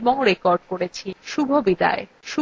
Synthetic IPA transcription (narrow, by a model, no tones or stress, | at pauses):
mɔɦoɾekɔɾɖ̚koɾet͡ɕʰiʃubʱobid̪a̰e | ʃu